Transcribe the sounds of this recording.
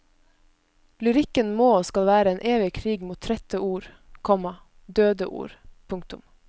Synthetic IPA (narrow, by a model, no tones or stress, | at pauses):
lʉɾɪkənmoːskɑlʋæːɾəeːnʔeːʋɪkʰɾiːɡmuːt̪ʰːɾɛt̪əuːɾ | kʰɔmɑ | d̪øːd̪əʔṵːɾpʰʊŋkt̪ʊm